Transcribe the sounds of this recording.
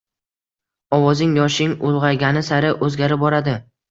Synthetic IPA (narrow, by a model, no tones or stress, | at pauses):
ɒwɒzɪŋjɒʃɪŋʊlˠʁɑɡʲanɪsaɾɪʔɵzɡʲaɾɪp̚bɒɾad̪ɪ